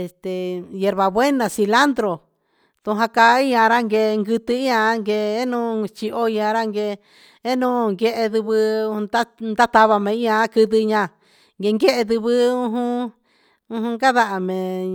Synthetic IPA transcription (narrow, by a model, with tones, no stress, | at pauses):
e˧˨st̪e˨je˧ɾβa˨βwe˦nã˨si˧la˦nd̪ɾo˨ | t̪ũ˧ɦã˧ka˧˦i˦ɲã˧ɾa˦ŋɡe˧ŋɡɨ˧t̪ɨ˧i˦ɲã˧˦ŋɡe˧e˦nũ˦t͡ʃi˧ʔo˦i˧ɲã˧ɾa˦ŋɡe˧ | e˦nũ˦ŋɡe˧ʔe˧ðɨ˧βɨ̃˧d̪a˦nd̪a˦t̪a˧βa˧mẽ˨˧i˦ã˧˦kɨ˧ðɨ˧ɲã˧ | ŋɡe˧ŋɡe˦ʔe˧ðɨ˧βɨ˦ũ˧˦ɦũ˦ | ũ˧˦hũ˧ŋɡa˦ða˧ʔa˨mẽ˨